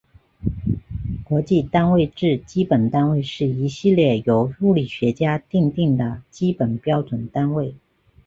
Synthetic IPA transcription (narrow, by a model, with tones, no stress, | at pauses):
kwɔ˧˥t͡ɕi˥˩t̪a˥nwe˥˧ɪʈ͡ʂɻ̩˥˩t͡ɕi˥pə˨˩nt̪a˥nwe˥˧ɪʂɻ̩˥˩i˧˥ɕi˥˧ljɛ˥˩jo˧˥ʊu˥˩li˨˩ɕɥɛ˧˥t͡ɕja˥t̪i˥˧ŋt̪i˥˩ŋd̪ə˩t͡ɕi˥pə˨˩npjɑ˥ʊʈ͡ʂwə˨˩nt̪a˥nwe˥˩ɪ